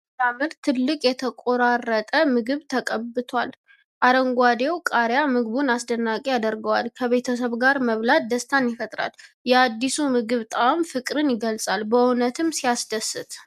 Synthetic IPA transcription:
t̪amɨɾt̪ʰːɨlːɨkʼjɛt̪ʰəkʼoɾarːət̪ʼəmɨɡɨβt̪ʰəkʼəbːɨt̪ʰwa̰l | ʔaɾəŋɡʷad̪e̞wkʼaɾjamɨɡβunasd̪ənːakʼejad̪əɾɡəwalkʰəβe̞t̪ʰəsəβɡaɾməβlat̪̚d̪əst̪ʰanjɪfət̪ʼɾa̰l | jɛad̪ːisumɨɡɨβt̪ʼawmfɨkʼɾɨnjɪɡəlsʼalbəunət̪ʰɨmsijasd̪əsɨt̪

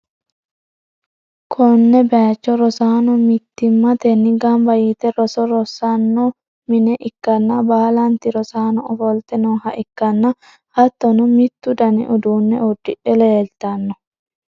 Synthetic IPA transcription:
kʰɔnːɛbɛat͡ʃːɔɾɔsaːnɔmɪt̪ːɪmːɐt̪ɛnːɪɡɐmbɐjit̪ɛɾɔsɔɾɔsːɐnːɔ | mɪnɛʔɪkːɐnːɐbaːlɐnt̪ɪɾɔsaːnɔɔfɔlt̪ɛnɔhɐʔɪkːɐnːɐ | hɐt̪ːɔnʊmɪt̪ːʊd̪ɐnɪ̰ʔɔd̪uːnːɛɔd̪ːɪʔɛleːlt̪ɐnːɔ

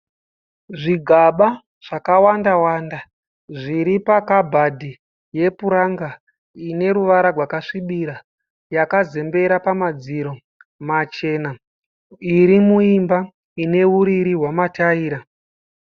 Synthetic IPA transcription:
ʐiɡʱaɓa | ʐ̥akawandawaːnda | ʐiɾipakabʱadʱi | je̞puɾaŋɡa | ine̞ɾuʋaɾarwakaʂiɓiɾa | jakaze̞mbe̞ɾapamad͡ziɾo̞ | mat͡ʃe̞na | iɾimuimba | ine̞uɾiɾiɦwamataiːɾa

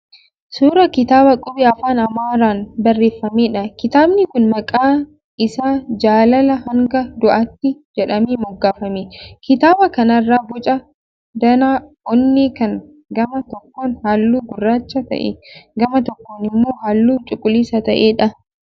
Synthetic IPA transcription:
suːɾɐkɪt̪aːbɐkʼʊbɪɐfaːnɐmaːɾaːnbɐrːeːfːɐmeːᶑɐkɪt̪aːbnɪkʊnmɐkʼaː | ɪsaːd͡ʒaːlɐlɐhɐŋɡɐd̪ʊʔɐt̪ːɪd͡ʒɛᶑɐmeːmɔɡːaːfɐmeːkɪt̪aːbɐkɐnɐrːaːbʊt͡ʃʼɐ | d̪ɐnaː | ɔnːiːkɐŋ | ɡɐmɐt̪ɔkːoːnhaːlːuːɡʊrːaːt͡ʃːɐt̪ɐ̰ʔḛɡɐmɐt̪ɔkːoːnɪmːoːɦaːlːuːt͡ʃʼʊkʼːʊliːsɐt̪ɐʔeːᶑɐ

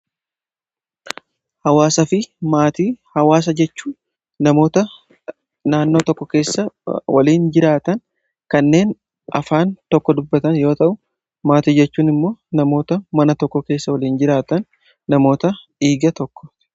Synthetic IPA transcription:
hɐwaːsɐfɪmaːt̪iːhɐwaːs̬ɐd͡ʒɛt͡ʃːuː | nɐmo̞ːt̪ɐ | naːnːo̞ːt̪ɔkːɔke̞ːsːɐwɐ̰liːnd͡ʒɪɾaːt̪ɐn | kɐnːe̞ːn | ɐ̰faːnt̪ɔkːɔd̪ʊbːɐt̪ɐnjo̞ːt̪ɐʔʊ | maːt̪iːd͡ʒɛt͡ʃːuːnɪmːo̞ːnɐmo̞ːt̪ɐmɐnɐt̪ɔkːɔke̞ːsːɐwɐliːnd͡ʒɪɾaːt̪ɐnː | ɐmo̞ːt̪ɐ | iːɡɐt̪ɔkːɔ̥

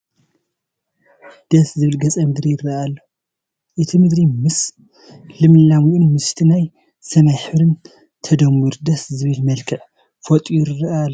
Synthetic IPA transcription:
d̪̥ɐszɨβɨlɡɐt͡sʼɐmɨd̪ɾijɪrːɐalːo | ʔɨt̪ʰimɨd̪ɾimɨs | lɨmɨlamuʔunmɨst̪ʰinaj | sɐmajħɨβɾɨn | t̪ʰɐd̪ɐmːɨɾd̪ɐszɨβɨlmɐlkʰɐʕ | fot̪ʼijjɾɨrːɐalːo

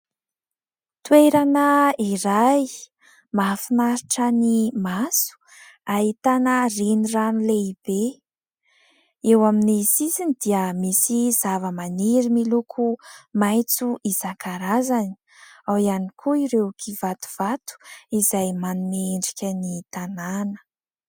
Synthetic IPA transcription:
t̪weɾanəiɾaj | mafinaɾiʈ͡ʂənimasu̥ | ait̪anəreniranileib̥e | ewaminisizinid̪iəmisizavəmaniɾimilukʰumajt͡suʔizakʰaɾazani̥ | awianikʰuiɾekʰivat̪u̥v̥at̪u̥izajmanumeɳɖ͡ʐikʲənit̪ananə̥

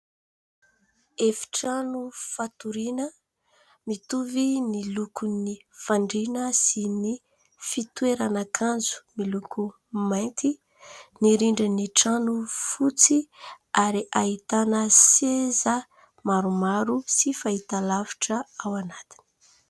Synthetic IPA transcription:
efi̥ʈ͡ʂanufat̪uɾinə | mit̪uvinilukunifaɳɖ͡ʐinəsini | fit̪ueɾanakʰand͡zu̥milukʰu | majnt̪ʰi | niɾiɳɖ͡ʐiniʈ͡ʂanufut͡si | aɾiʔait̪anəsezə | maɾumaɾusifait̪alavi̥ʈ͡ʂəawanat̪i̥ni̥

